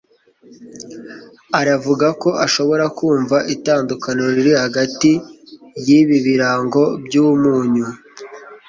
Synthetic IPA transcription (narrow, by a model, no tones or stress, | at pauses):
aɾavuɡako̞ʔaʃo̞βo̞ɾakuːɱvaʔitaːndukanoɾiɾihaɡatijiβiβiɾaːŋɡo̞bjuːmuːɲu